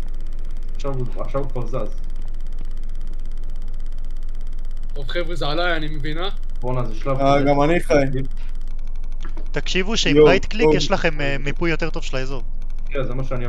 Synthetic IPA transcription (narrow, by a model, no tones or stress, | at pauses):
aχʃavu | a̰χʃavupazaz | tovχevʁezealajanimevina | bonazeʃlavaɡamaniχaj | t̪akʃivuʃeimbajt̪klikjeʃlaχe̞m | mːipujːo̞t̪e̞ʁt̪o̞v̥ʃelaezo | ezemaʃeani